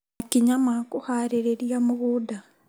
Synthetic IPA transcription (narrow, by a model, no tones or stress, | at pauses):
akiɲamakuhaɾeɾeɾiamuɣuda